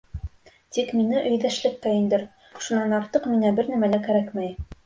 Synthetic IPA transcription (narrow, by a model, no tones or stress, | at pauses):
t̪ikminɘʔɵ̆jðæʃlɘ̆k̚t̪æind̪ɘɾ | ʃunːɑnɑɾt̪ɤqmiŋæbɘɾnæmælækæɾækmæj